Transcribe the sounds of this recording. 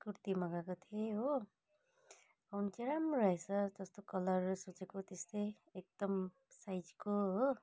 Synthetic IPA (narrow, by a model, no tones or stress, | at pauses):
kuɾt̪imʌɡakot̪ʰieɦo | ʌwnt͡seɾamɾʌɦesʰʌd͡zʌst̪okʌlʌrsut͡sekot̪est̪ʌj | ek̚d̪ʌm | sajd͡zkoɦo